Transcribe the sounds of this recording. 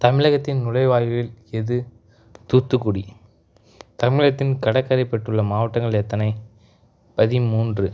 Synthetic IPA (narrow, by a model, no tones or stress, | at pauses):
t̪ɐmɪɻɐɣɐt̪ːɪnnʊɻɐɪʋaːjʋɪlɛðɯ | t̪uːt̪ːɯkːʊɽi | t̪ɐmɪɻɐt̪ːɪnkɐɽɐkːɐɾɐɪpːɛʈːɯɭːɐmaːʋɐʈːɐŋɡɐɭɛt̪ːɐnɐɪ | pɐðɪmuːndrɯ